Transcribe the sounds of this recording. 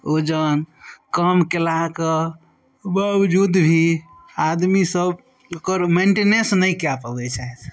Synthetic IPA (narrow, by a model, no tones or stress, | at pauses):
od͡ʒənkəmkelakə | bəbd͡ʒud̪bʱi | ad̪misəb | okəɾmeɳʈenẽsnəjkeapəbɛt͡ʃaɦɛt̪ʰ